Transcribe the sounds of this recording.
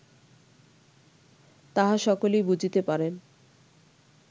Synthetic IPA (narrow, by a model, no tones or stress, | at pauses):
t̪aɦaʃɔkolejbud͡ʑʱit̪epaɾen